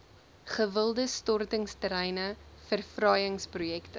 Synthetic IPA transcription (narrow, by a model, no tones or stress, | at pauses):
χəvəlˠdəstɔrtəŋstəɾɛjnəfərfrɐjəŋsprujɛktə